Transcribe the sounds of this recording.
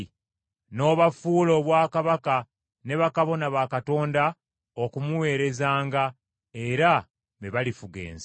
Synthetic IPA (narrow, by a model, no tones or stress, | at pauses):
no̞ːβafuːlo̞βwaːkaβaka | ne̞βakaβo̞naβakato̞ːnda | o̞kumuwe̞ːɾe̞zaːŋɡa | e̞ɾa | βe̞βalifuɡe̞̰ːnz